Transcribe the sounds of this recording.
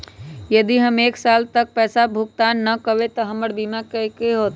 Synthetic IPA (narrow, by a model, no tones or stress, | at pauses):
jəd̪iɦəmeːksalt̪ək̚pɛːsabʱuk̚t̪anːəkəʋet̪ɔɦəməɾbimakəkeɦot̪